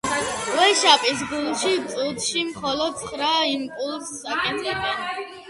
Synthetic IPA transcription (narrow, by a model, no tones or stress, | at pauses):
wɛʃapʼis̬ɡulʃit̪sʼut̪ʃimχɔlɔd̪̚t̪sʰχɾaimpʼulˠsakʼɛt̪ʰʼɛbɛn